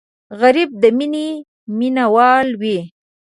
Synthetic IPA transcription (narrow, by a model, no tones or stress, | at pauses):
ɣaɾib̚d̪əmine | minawɑlwe